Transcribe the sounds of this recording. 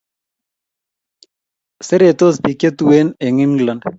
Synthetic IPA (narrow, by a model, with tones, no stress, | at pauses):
se˦ɾe˨t̪o˦spi˨ke˦t̪u˦we˦ne˨ŋi˦mla˨nd